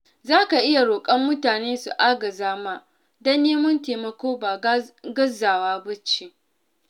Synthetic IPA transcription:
zaː˦ka˨ʔɪ˦ja˨ɽoː˨kʼɐ˦mːʊ˦taː˨neː˦su˨ʔaː˦ɡɐ˨zaː˦maː˦ | dɐ˦nːeː˦mʊ˦nteː˨mɐ˨kʷoː˦baː˨ɡɐ˦zaː˨waː˦bɐ˦t͡ʃi˨

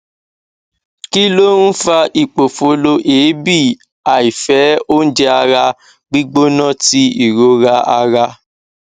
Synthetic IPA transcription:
ki˦lo˦n̩˦fa˧i˨k͡po˨fo˧lo˧ʔeː˨˦bi˦˨ | a˨i˨fɛ˨˦o˦n̩˦d͡ʒɛ˧˦a˧ɾa˧ | ɡ͡bi˦ɡ͡bo˦nã˦˨ti˦i˨ɾo˧ɾa˧a˧ɾa˧

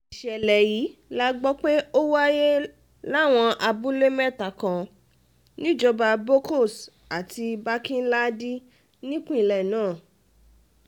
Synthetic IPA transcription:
i˨ʃɛ˨lɛ˨ji˨˦la˦ɡ͡bɔ˦k͡pe˦o˦wa˦je˦ | la˦˨w̃ɔ̃˧ʔa˧bu˦le˦mɛ̃˦˨ta˨kã˨ | nĩ˦d͡ʒɔ˧ba˧bo˦ko˦˨s | a˨ti˧ba˦kĩ˦n̩˦la˦di˦ | nĩ˦kũ˦ĩ˦˨lɛ˨nãː˦˨

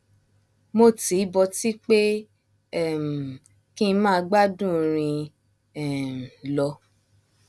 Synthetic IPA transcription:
mo˦˨ti˨˦bɔ˧ti˦k͡pe˦ | ɛ˦˨m̩˨ | kĩ˦˧˦mã˦˧ɡ͡ba˦dũ˦˨ɾ̃ĩ˧ | ɛ˨lɔ˧

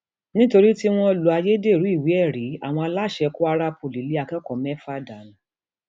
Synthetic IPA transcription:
nĩ˦to˧ɾi˦ti˦w̃ɔ̃˦lu˨a˧je˦de˦˨ɾu˨˦i˦˨wi˨˦ɛ˦˨ɾi˨˦a̰˦˨w̃ɔ̃˧a˧la˦˨ʃɛ˧ku˦a˧ɾa˧˦po˨li˨˦li˨˦a˧kɛ˦kɔ˨mɛ̃˦fa˦da˨ñ˨

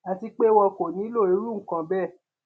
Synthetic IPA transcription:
a˧ti˧k͡pe˦wɔ˧ko˨nĩ˨˦lo˦˨e˨˧˦ɾu˦˨ŋ̩˨kã˨˧bɛ˦˨

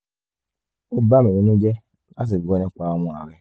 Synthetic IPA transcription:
o˦ba˦me˨ɾe˨nu˦d͡ʒe˦ | a˦s̬i˨ɡo˦ne˦˨kʷa˦mu˦a˨ɾe˦

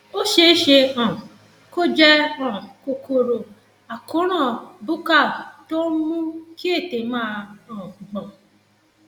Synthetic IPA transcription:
o˦ʃe˧˦ʃe˧ã˨ | ko˦d͡ʒɛ˦ɔ̃˨ko˧ko˧ɾo˧ | a˨kõ˨˦ɾ̃ã˦˨bu˦ka˦˨to˦mũ˦ki˦e˦˨te˨mãː˦ɔ̃˨ɡ͡bɔ̃˨

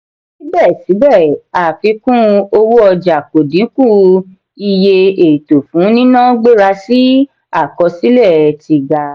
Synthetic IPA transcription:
si˦bɛ˦˨si˨˦bɛ˦˨a˨fi˧kũ˦o˧wu˦ɔ˧d͡ʒa˨ko˨dĩ˨˦kũ˦˨ | i˧je˧e˨i˨to˨fũ˨˦nĩ˦nã˦ɡ͡be˦ɾa˧si˦ | a˦˨kɔ˧si˦lɛ˦˨ti˧ɡa˧

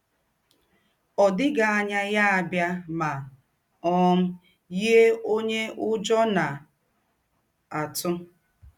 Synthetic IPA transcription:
ɔ˨dɪ˦ɡa˨a˦ɲa˦ja˦a˨bja˦ma˨ | ɔ˦m̩˦ | ji˦e˦o˦ɲe˦ʔʊ˦d͡ʒɔ˦na˨ | a˨tʊ˦

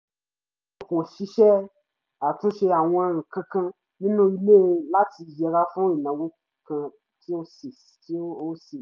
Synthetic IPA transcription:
o˨kõ˨ʃi˧˦ʃɛ˦ | a˨tũ˦ʃe˧a˨w̃ɔ̃˧a˧ŋ̩̃˨kã˧kã˧ | nĩ˦nũ˦i˧le˦˧la˦ti˧jɛ˧ɾa˦fũ˦i˨nã˨˦wo˦ | kã˧ | ti˦o˦s | ti˦o˦se˨

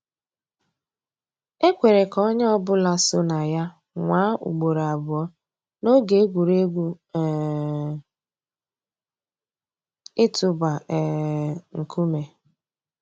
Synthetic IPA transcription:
e˦kʷe˨ɾe˨kɔ˦ɲe˦ɔ˦bʊ˦la˨so˦na˨ja˦ | ŋʷaː˨˦ṵ˨ɡ͡bo˨ɾa˨bʊ˨ɔ˦ | no˦ɡe˨e˦ɡʷu˨ɾe˦ɡʷu˦˨ | ɪ˦tʊ˨ba˨ɛ˨ŋ̩˨kʰu˦me˨

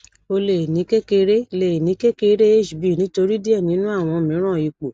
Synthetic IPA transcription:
o˧le˨nĩ˨˦ke˦ke˧ɾe˦le˨nĩ˨˦kɛ˦ke˧˦ɾe˦e˦˨ʃi˨bi˨nĩ˨˦to˧ɾi˦di˦ɛ˦˨nĩ˨˦nũ˦a˦˨w̃ɔ̃˧˨mĩ˨˦ɾ̃ã˦˨i˧˨k͡po˨

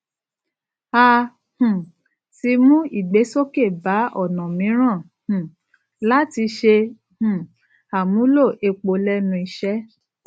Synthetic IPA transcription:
a˧ | hũ˨ | ti˧mũ˦i˦˨ɡ͡be˨˦so˦ke˦˨ba˨˦ʔɔ˦˨nã˨mĩ˨˦ɾ̃ã˦˨ | hũ˨ | la˦ti˧ʃe˧ | hũ˨ | a˨mũ˨˦lo˦˨ʔe˧k͡po˧lɛ˦nũ˧i˧ʃɛ˦

